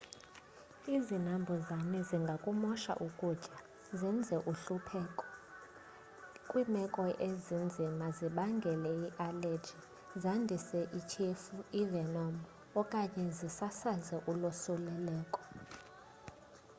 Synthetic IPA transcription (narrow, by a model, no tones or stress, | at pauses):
izinambʱɔzanɛziŋɡʱakʼumɔʃa̰ʔukʼud̥ʒ̥ʱʼa | zind͡zʱɛʔuɬupʰɛkʼɔ | kʼwimɛkʼɔʔezind͡zʱimaziɓaŋɡʱɛlɛiʔaled͡ʒʱi | zandʱisɛʔit͡ʃʰɛfuivɛnɔm | ɔkʼaɲɛzisasazɛʔulɔsulɛlɛːkʼɔ̥